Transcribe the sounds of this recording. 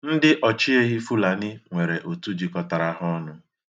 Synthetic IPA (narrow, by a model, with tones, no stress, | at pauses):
n̩˦dɪ˦ʔɔ˨t͡ʃi˦e˦ɣi˦fu˦la˨nɪ˦ŋʷe˨ɾe˨ʔo˨tu˦d͡ʒi˨kɔ˦ta˨ɾa˦ɦɔ˦nʊ˦